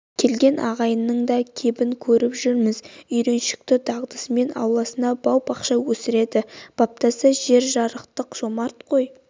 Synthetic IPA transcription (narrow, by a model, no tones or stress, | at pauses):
kʲʰe̞lɡʲe̞nɑʁɑjənːəɴd̪ɑkʲʰe̞bɪŋkʲʰɵɾɪpʒʏɾmɪzʏjɾe̞nʃɪ̥k̚t̪ɪd̪ɑʁd̪əsme̞nɑ̰wlˠɑsənɑbɑwpɑqʃɑwɵsɪɾe̞d̪ɪb̥ɑp̚t̪ɑsəʒe̞ɾʒɑɾəqt̪əqʒ̥o̞mɑɾt̪qʰo̞j